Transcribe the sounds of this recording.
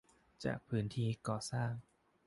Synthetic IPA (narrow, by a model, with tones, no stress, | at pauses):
t͡ɕa̰ː˨˩k̚pʰɯː˩˦˥nt̪ʰiː˥˩kɔː˨˩saː˥˩ŋ